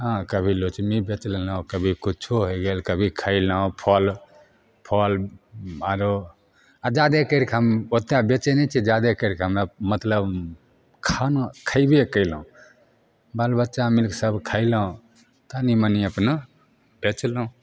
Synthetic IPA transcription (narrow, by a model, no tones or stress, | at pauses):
ɦãkəbʱilot͡ʃmibet͡ʃlnaõkəbʱikut͡ʃʰoɦoɡelkəbʱikʰəɪlaõpʰɔl | pʰɔl | aɾo | ad͡ʒad̪ekəɾkʰɦəmot̪jabet͡ʃenɛt͡ʃʰid͡ʒad̪ekəɾkʰɦəmamət̪ləb | kʰankʰəibekəɪlũ | balbətːʃamilksəbkʰəɪləũ | t̪animəniəpnə | bet͡ʃləũ